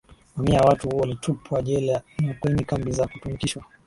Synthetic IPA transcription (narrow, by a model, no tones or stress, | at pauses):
mamiawatuhuɔwalitʰupʰwaʄɛlanakwɛɲikambizakutumikiʃwa